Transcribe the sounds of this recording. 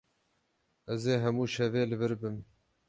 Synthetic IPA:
ɛzeːɦɛmuːʃɛveːlɨvɨɾbɨm

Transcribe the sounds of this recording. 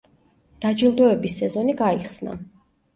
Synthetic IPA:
d̪̥ad͡ʒilˠd̪ɔɛbisɛzɔniɡaiχsna̰

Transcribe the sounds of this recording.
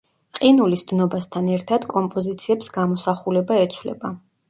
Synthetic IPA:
qʼinulisd̪̥nɔbast̪ʰanɛɾt̪ʰad̪kʼɔmpʼɔzit̪sʰiɛpsɡamɔsaχulɛbaɛt̪sʰvlɛ̰ba

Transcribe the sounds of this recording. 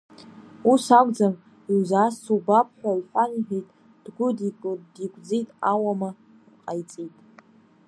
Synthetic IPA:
usakʷʼd͡zam | iwzaːsubapʰʼħʷᶣaiħʷᶣaniħᶣejtʼ | d̥ɡʷʊdidikʷʼd͡zijtʼawama | rqʼajt͡sʼitʼ

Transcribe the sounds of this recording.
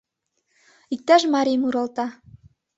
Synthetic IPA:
ik̚t̪æʃmɑɾʲimuɾɑlˠt̪ɑ

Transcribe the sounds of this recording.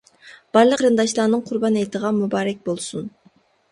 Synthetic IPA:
b̥ɑɾlˠəqɾɨnd̪ɑʃlˠɑɾnɨŋqʰʊɾbɑnɛjt̪ʰəʁɑmubɑːɾɛk̚ʲbolˠsun

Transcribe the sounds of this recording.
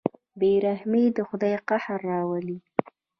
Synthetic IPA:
beɾahmed̪əxʊd̪ɑjqahaɾːɑwali

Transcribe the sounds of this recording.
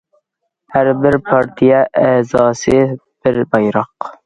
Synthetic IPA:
hæɾbɪɾpʰɑɾt̪ʰijaʔɛːzɑːsɪ | b̥ɪɾbɑjɾɑq

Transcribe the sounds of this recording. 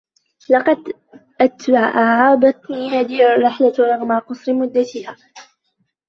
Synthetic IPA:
lɑqɑd̪ | ʔat̪baʕʔaʕʕɑːbɑt̪niːhaːðɪhɪrˤːɪħlaɾˤɑɣmaqɑsˤɾɪmʊd̪ːat̪ɪhaː

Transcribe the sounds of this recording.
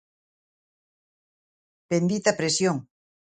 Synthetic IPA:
b̥end̪it̪apɾesjoŋ

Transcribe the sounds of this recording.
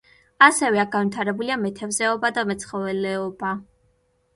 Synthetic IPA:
asɛvɛaɡanvwit̪ʰaɾɛbuliamɛt̪ʰɛvzɛɔbad̪amɛt̪sʰχɔvɛlɛɔba

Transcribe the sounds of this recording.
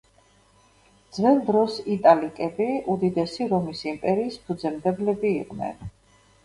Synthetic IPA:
d̪zvɛnd̪ɾɔsit̪ʼalikʼɛbiud̪id̪ɛsiɾɔmisimpʼɛɾiːspʰud̪zɛmd̪ɛblɛbiːqʼnɛ̰n

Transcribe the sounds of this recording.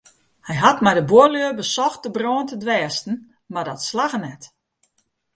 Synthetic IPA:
hɛjɦatmajdəboəløəbəsɔxt̚d̥əbroːntədʋɛːstn̩ | mardɔtslaɣənɛt

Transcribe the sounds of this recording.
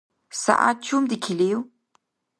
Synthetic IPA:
sa̰ʔa̰t̪̚t͡ʃʰumd̪ikʰiliw

